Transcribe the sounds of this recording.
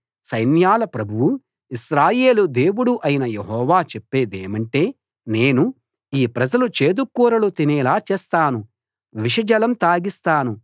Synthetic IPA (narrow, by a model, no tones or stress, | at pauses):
sɐjnjaːlɐpɾɐbʱuwu | iʃɾaːje̞ːlud̪e̞ːwuɽuʔɐjinɐjeɦɔːʋaːt͡ʃepːe̞ːd̪eːmɐɳʈe̞ː | ne̞ːnu | iːpɾɐd͡ʒɐlut͡ʃe̞ːd̪ukːuːɾɐlut̪inɛːlaːt͡ʃeːst̪aːnu | ʋiʂɐd͡ʒɐlɐmt̪aːɡist̪aːnu